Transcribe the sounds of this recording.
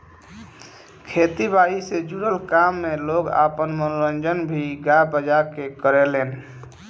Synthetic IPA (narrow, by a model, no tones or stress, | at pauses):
kʰet̪ibaised͡ʒuɾəlkamːeloɡa̰pənmənoɾənd͡ʒənbʱiɡabəd͡ʒakekəɾelen